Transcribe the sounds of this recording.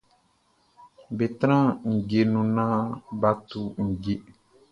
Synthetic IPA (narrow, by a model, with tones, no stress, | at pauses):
be˨t̪ɾã˦ŋ̩˨ɡe˨nũ˨nã˦ba˦tu˨ŋ̩˨ɡe˦